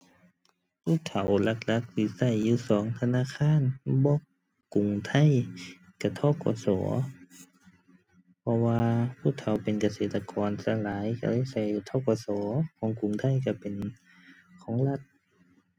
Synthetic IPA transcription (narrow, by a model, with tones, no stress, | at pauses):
pʰuː˧˥˨t̪ʰa˨˦wla˧k̚la˧k̚si˧˩sa˧˩˨jːuː˧sɔː˨˦ŋt̪ʰa˧naː˧˥˨kʰaː˧˥˨nbɔː˧˥˨ | ku˨˩ŋt̪ʰa˧˥˨j | ka˧˩t̪ʰɔː˧˥˨kɔ̰ː˧˦sɔ̰ː˩˦ | pʰɔ˧waː˧pʰuː˧˥˨t̪ʰa˨˦wpe˨nka˧seː˨˩t̪ːa˧kɔː˨nsa˧laː˨˦jka˧˩laː˧˥˨sa˧˩jːuː˧˩t̪ʰɔː˧˥˨kɔː˧˦sɔː˨˦kʰɔː˨˦ŋku˨ŋt̪ʰa˧˥˨jka˧˩pe˨n | kʰɔː˨˦ŋla˧˩t̪̚